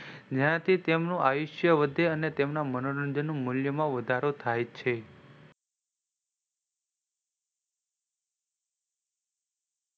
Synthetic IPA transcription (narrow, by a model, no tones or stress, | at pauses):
d͡ʒãt̪ʰit̪emnũʔaʋiʃjəʋəd̪ʱeənet̪emnamənoɾənd͡ʒənːũmʊljəmãʋəd̪ʱaɾot̪ʰajt͡ʃʰe